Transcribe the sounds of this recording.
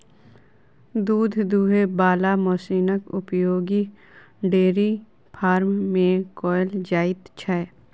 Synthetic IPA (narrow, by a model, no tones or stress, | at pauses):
d̪uːd̪ʱd̪uːɦebaːlamoːsiːnəkʊpjoːɡi | ɖeːɾi | pʰaːɾmːẽkɔːjld͡ʒaːɪt̪t͡ʃʰɛ